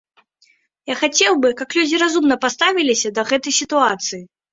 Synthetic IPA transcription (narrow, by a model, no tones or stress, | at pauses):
jaxat͡sʲɛwbɨkaklʲud͡zʲiɾazumnɐpast̪avʲilʲisʲɐd̪ɐɣɛt̪ɐjsʲit̪uat̪sɨji